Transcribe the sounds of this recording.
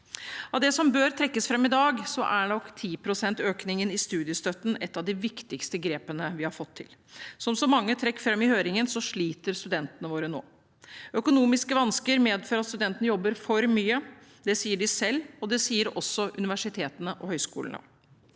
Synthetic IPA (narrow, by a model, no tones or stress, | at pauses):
ɑʋd̪ɛsɔmbøːɾt̪ʰɾɛkːəsfɾɑmːɪd̪ɑːɡsɔʔæɳɔkːt̪ʰiːpʰɾʊsɛnt̪øːknɪŋənɪst̪ʉːd̪ɪəst̪œt̪ːn̩ɛt̪ːɑʋd̪ɪʋɪkt̪ɪkst̪əɡɾeːpənəʋɪhɑɾfɔt̪ʰːɪ̰lsɔmsɔmɑŋːət̪ʰɾɛkːfɾɑmːɪhøːɾɪŋənsɔʂɭiːt̪əɾst̪ʉd̪ɛnt̪ənəʋoːɾəno̰ː | œkʊnuːmɪskəʋɑnskəɾmeːd̪føːɾɑt̪st̪ʉd̪ɛnt̪ənəjɔbːəɾfɔɾmyːəd̪ɛsiːəɖɪsɛlːɔd̪ɛsiːəɾɔ̰sːɔʔʉnɪʋæʂɪt̪ʰeːt̪ənəʔɔhœʏskṵːlənə̰